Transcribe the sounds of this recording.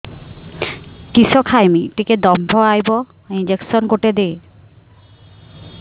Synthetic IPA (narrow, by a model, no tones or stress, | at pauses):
kisɔkʰajmit̪iked̪ɔmbʱɔajbɔ | ind͡ʒeksɔnkoʈed̪e